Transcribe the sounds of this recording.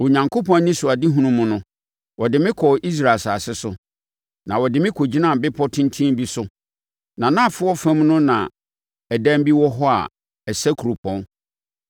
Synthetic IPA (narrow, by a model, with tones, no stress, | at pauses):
wo˨ɲã˨ŋkʰo˦pʰɔ̃˦nnĩ˦sʊ˨a˨dɪ˦ɦũ˦nũ˦mːʊ̃˨nʊ̃˦ | wɔ˨dɪ˨mɪ̃˦kʰɔ˨ʔi˦s̬ɾa˨saː˨sɪ˦sʊ˨ | nã˨wɔ˨dɪ˨mɪ̃˦kʰo˨d͡ʑi˦nã˦˨bɪ˦pʰɔ˦tʰɪ̃˦ntʰĩ˦m˦bi˦sʊ˦ | nã˨nã˦˨fʊ˦ɔ˦fæ̃˦mnʊ̃˦nã̰˨ | ɛ˨dæ̃˦m˦bi˦wɔ˦ɦɔ˦a̰˨ | ɛ˨sɛ˦kʰu˨ɾo˨pʰɔ̃˨n